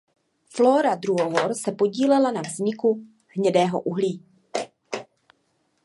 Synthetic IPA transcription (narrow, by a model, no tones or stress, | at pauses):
floːɾadɾuɦoɦoɾsɛpo̞ɟiːlɛlanavzɲɪku | hɲɛdɛːɦo̰ʔuɦliː